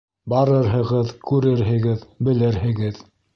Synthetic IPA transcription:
bɑɾɤɾɦɤ̆ʁɤðkʉɾɘɾɦɘ̆ɡɘðbɘ̆lɘɾɦɘ̆ɡɘð

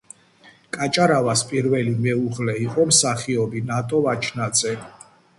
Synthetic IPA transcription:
kʼat͡ʃʼaɾavaspʼiɾvɛlimɛuʁlɛiqʼɔmsaχiɔbinat̪ʼɔvat͡ʃʰnad̪zɛ

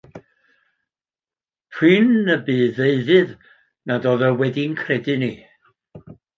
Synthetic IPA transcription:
pʰrɨːnːəbiːðeɨðɨð | nadɔːðəwɛdinkʰrɛdɨni

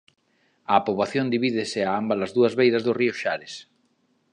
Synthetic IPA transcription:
aːpoβaθjond̪iβiðɪsɪaambalazðuɐzβejðazðʊriʊʃaɾɪs

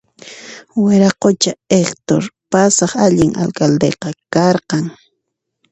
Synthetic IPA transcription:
wɪɾɑqot͡ʃaekt̪o̰ɾpasɑχaʎɪŋʔa̰lkald̪ḛqɑkɑɾqɑŋ

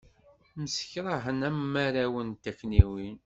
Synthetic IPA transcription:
məsçɾˤɑɦənæmːaɾawənt̪ækːniwin

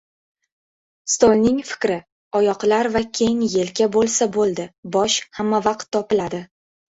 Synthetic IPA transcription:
st̪olʲˠnɪŋfɪ̥kʲɾɪ | ɒjɒqlaɾvakʲʰe̞jŋje̞lɡʲabolˠsabolˠd̪ɪbɒʃhamːavɑq̚t̪ʰːɒpɪlad̪ɪ

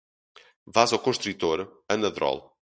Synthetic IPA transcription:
vazɔkõʃt̪ɾit̪oɾɐnɐðɾɔ̰lˠ

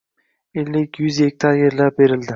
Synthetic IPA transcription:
elːɪkʲjyzjek̚ʲt̪ʰaɾjeɾlap̚be̞ɾɪld̪ɪ

